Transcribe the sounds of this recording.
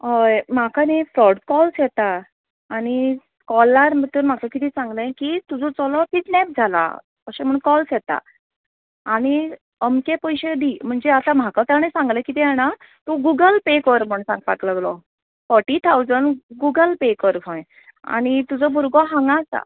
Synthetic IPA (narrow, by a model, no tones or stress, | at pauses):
ɦɔjm̤akanefɾɔɽkɔlsjɛt̪aː | ɽ̃i | kɔlːaɾmət̪əɾm̤akakit̪ʰiːsãŋɡlə̃kit̪ud͡zɔt͡sɔlɔfiʈnɛp̚d͡zʱala̰ | kəɕẽm̤əɳkɔlsjɛt̪a̰ | aɽ̃i | əmkẽpəjɕed̪im̤əɳd͡zeat̪ãm̤akat̪anẽsãŋɡlə̃kit̪ɛɛɽ̃a | t̪oɡuɡəlpekəɾm̤əɳsãŋɡ̚pakləɡlɔ | fɔɾʈiːt̪ʰawd͡zəɳɡuɡəlpekəɾɡʰʱɔ̃j | a̰ñit̪ud͡zɔbʱuɾɡɔɦãŋɡasa̰